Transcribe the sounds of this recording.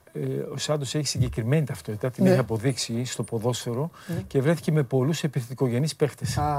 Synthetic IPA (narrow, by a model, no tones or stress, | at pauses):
o̞sɐnd̪o̞seçi̥siɲɟe̞kɾime̞nit̪ɐft̪o̞t̪i̥t̪ɐt̪iniçeɐpo̞ðiksist̪o̞po̞ðo̞seɾo̞ce̞vɾeθi̥ceme̞po̞luse̞piθet̪iko̞ʝe̞nispe̞xt̪es